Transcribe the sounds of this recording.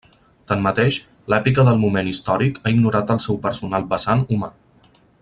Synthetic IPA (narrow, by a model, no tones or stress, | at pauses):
t̪anmət̪eʃ | lɛpikəðəlˠmumenist̪ɔɾikaiɡnuɾat̪əlˠsɛwpəɾsunalˠbəsanuma